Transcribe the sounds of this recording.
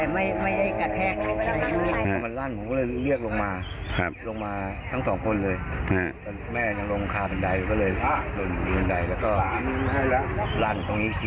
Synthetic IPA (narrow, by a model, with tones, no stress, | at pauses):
ɛ˨˩ma˥˩jma˥˩jʔa˥˩jka˧t̪ʰɛː˦˧˩k̚a˧˩a˧˩a˧˥iː˥˩˧aː˧˩ma˧nlaː˥˩nmu˨˦kːlɤː˧jli˥˩ək̚lo˧ŋmaː˧ | kʰa˧˩plo˧ŋmaː˧ | t̪ʰa˦˥˩ŋsɔː˩˦ŋkʰo˧nlɤː˧jʰa˧˩kɔ˧˩mɛː˥˩ɲa˧ŋlo˧ŋkʰaː˧pe˧nda˧jkɔː˥˩ɤː˧jsu˨˩n˧˩e˧nda˧jlɛ˦˥wkɔː˥˩˥ | laː˥˩nt̪o˧ŋniː˦˥˧t̪ʰi˧